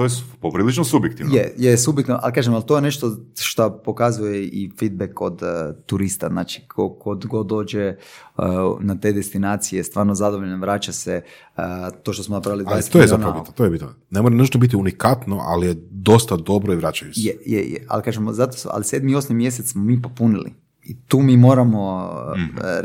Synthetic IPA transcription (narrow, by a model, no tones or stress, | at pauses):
t̪ojepopɾiːlit͡ʃnosubjek̚t̪iʋnjejesubjekt̪iʋnoʔalkaːʒemalt̪ojeneʃt̪oʃt̪apo̞kazujeifid̪̚bekod̪t̪uɾist̪a̰znaːt͡ʃi̥kʰokod̪ɡo̞d̪o̞ːd͡ʒe | nat̪e̞d̪est̪inaːt̪sijest̪ʋaːɾnozad̪oʋoʎnoʋɾat͡ʃase | t̪oːʃt̪o̞smonapɾaʋilid̪ad̪eset̪ojezaonɾaobit̪not̪ojebit̪no | nemoɾenəʒt̪obit̪̬iunikat̪noʔa̰lijed̪o̞st̪ad̪o̞bɾoiʋɾat͡ʃajusjejḛjḛa̰lkaːʒemozat̪osa̰lise̞d̪mio̞smimje̞set̪smomiːpo̞punilḭ | it̪uːmiːmo̞ːɾamo